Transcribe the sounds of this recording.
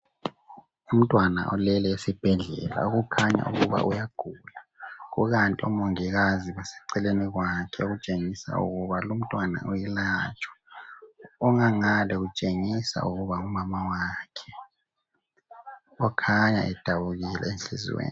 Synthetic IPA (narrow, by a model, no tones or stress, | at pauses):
um̩tʼwana̰ʔɔlɛlɛesib̥ʱɛɮɛ̰la̰uɣukʰaɲa̰ʔṵɣuβa̰ʔujaɡ̥ʱulaɣuɣantʼiɔmoŋiɣaziβasɛ̥ǀɛleniɣwakʰɛoɣut͡ʃʼeŋisa̰ṵɣuβalum̩tʼwana̰ujɛlaːt͡ʃʼwḁ | ɔŋaŋalɛɣut͡ʃʼeŋisa̰uɣuβaumamawakʰɛ̥ | ɔkʰaɲa̰ʔɛd̥ʱaβuɣilɛ̰enɬḭzḭwḛːn